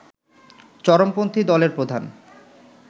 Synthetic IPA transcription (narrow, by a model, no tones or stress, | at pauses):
t͡ɕɔɾompont̪ʰid̪ɔleɾpɾod̪ʱan